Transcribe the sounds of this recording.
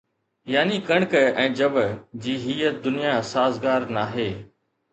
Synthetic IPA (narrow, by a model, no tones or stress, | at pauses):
jaːnikɐɽ̃kɛ̃ːd͡ʑɐbd͡ʑiːɦiːəd̪ʊnɪjasaːzɡaːɾnaːɦeː